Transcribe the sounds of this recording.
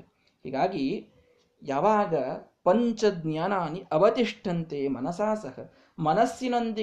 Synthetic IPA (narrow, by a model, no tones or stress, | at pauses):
hḭːɡaːɡi | jaːʋaːɡɐpɐɲt͡ʃɐd̪njaːnaːniʔɐʋɐt̪iʂʈʰɐnt̪eːmɐnɐsaːsɐɦɐ̰ | mɐnɐsjinond̪i